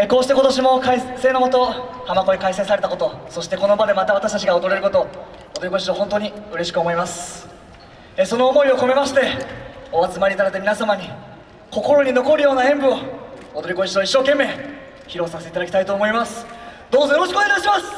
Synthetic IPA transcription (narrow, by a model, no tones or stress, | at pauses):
eko̞ːɕi̥t̪e̞ko̞t̪o̞ɕ̬imo̞kaise̞ːno̞ko̞t̪o̞hamako̞ikaiseɰ̃saɾe̞t̪akot̪o̞so̞ɕi̥t̪e̞ko̞no̞mad̪e̞mat̪aβat̪aɕi̥t̪at͡ɕ̬iɡaod̪o̞ɾe̞ɾɯ̟ko̞t̪o̞ | od̪oiko̞iɕioɦont̪o̞ɲ̟iɯ̟ɾe̞ɕi̥kɯomo̞imasɨ̥ | eso̞no̞ːmo̞io̞ko̞me̞maɕi̥t̪e̞oat͡sɨmaɾʲiːt̪ad̪at̪mʲinasamaɲ̟i | ko̞ko̞ɾo̞ɲ̟ino̞ko̞ɾɯjo̞ːnaẽ̞mbɯ̟o̞ːd̪o̞ɾʲiko̞ɕit̪o̞iɕːo̞ːke̞mːe̞ː | çiɾo̞saset̪eit̪ad̪akʲi̥t̪ait̪o̞ːmo̞imasɨ̥d̪̥o̞ːzojo̞ɾo̞ɕ̬ikɨoneɡaiɕ̬imasɨ̥